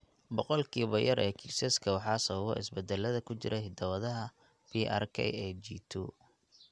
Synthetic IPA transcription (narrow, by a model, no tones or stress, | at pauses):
bɔqɔlkʰiːβɔjɐɾɛːkʰɪsɛskʰɐwɑħɑːsɐβɐβɔʔɪ̰sbɛd̪ɛlːɐðɐkʰʊt͡ʃɪɾʔɐɦɪd̪ɐwɐðɐɦɐ | pʰiʔa̰rkʰɛ̰jɛd͡ʒit̪ʰṵː